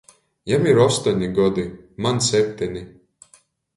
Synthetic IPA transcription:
jamiɾɔst̪ɔnʲiɡɔd̪imansʲɛp̚ʲt̪ʲɛnʲi

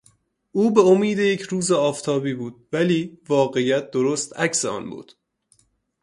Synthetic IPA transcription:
ʔuːbeomiːd̪ejecʰɾuːzeɒːft̪ʰɒːbiːbuːd̪̥̚væliːvɒːɣe̞jæt̪̚ʰd̪oɾost̪æcseɒ̰ːnbṵːd̪̥

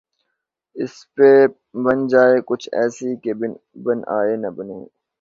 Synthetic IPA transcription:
ɪspe | bɐnd͡ʒaːekʊt͡ʃʰɛ̰ːsikeb | bɐna̰ːeːnɐbəneː

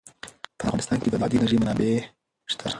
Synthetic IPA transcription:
pəafvɣɑnɪst̪ɑnked̪əlɑd̪inaʒimʊnɑbe | ʃt̪ʰa̰

